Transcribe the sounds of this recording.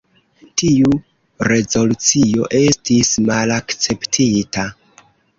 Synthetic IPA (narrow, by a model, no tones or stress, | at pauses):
tiu | ɾe̞zo̞lut͡sio̞ʔe̞stismalakt͡se̞ptʰita